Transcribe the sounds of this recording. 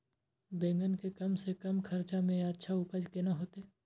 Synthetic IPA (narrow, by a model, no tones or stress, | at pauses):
bẽːŋɡənkekɐmsekɐmkʰɐɾt͡ʃamẽətːʃʰaʊpəd͡ʒkenaɦoːt̪eː